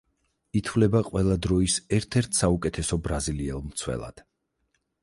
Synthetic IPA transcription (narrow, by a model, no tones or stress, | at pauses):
it̪ʰvlɛbaqʼwɛlˠad̪ɾɔisɛɾt̪ʰɛɾt̪ʰsaukʼɛt̪ʰɛsɔbɾaziliɛlˠmt̪sʰwɛ̰lˠa̰d̪̥